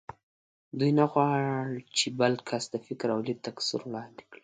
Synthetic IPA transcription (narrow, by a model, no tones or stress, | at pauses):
d̪ujnaɣwɑɽt͡ʃebəlkʰasd̪əfɪkɾawlit̪aksḭɾwɽɑnd̪i̥kɽi̥